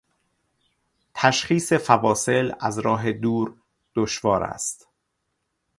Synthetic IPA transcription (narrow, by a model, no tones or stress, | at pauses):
t̪ʰæʃχiːse̞fævɒːse̞læzɾɒːɦe̞d̪uːɾ | d̪̥oʃvɒːɾæ̰st̪